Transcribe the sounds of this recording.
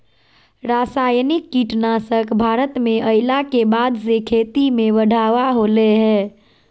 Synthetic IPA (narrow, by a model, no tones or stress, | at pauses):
ɾaːsaːjnɪkːiʈnaːsəkbʱaːɾət̪mẽʔəɪlakebaːd̪sekʰeːt̪imẽbəɖʱaːʋaɦoːleɦɛ̃ː